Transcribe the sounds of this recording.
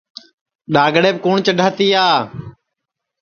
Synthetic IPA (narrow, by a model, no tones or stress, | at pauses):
ɗaːɡɽeːbkuːɳt͡ʃəɖʱəːt̪iːaː